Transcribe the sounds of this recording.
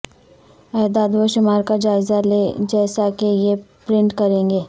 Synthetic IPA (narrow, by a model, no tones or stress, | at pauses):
ɛːd̪aːd̪ʋoʃʊmaːɾkad͡ʒaːɪzaleːd͡ʒɛːsakejepɾɪ̃ɳʈkɐɾẽːŋɡeː